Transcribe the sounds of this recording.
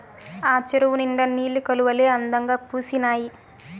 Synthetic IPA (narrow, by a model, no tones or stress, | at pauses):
aːt͡ʃeɾuʋuniɳɖɐnːiːlːikɐluʋɐleːɐnd̪ɐŋɡaːpuːsinaːji